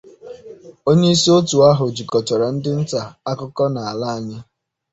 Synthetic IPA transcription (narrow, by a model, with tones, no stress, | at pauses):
o˦ɲe˦i˦si˦o˦tu˨a˦ɦʊ˨d͡ʒi˨kɔ˨t͡ʃɔ˨ɾa˨n̩˦dɪ˦n̩˦ta˨a˦kʊ˦kɔ˦na˨a˨la˦a˨ɲɪ˦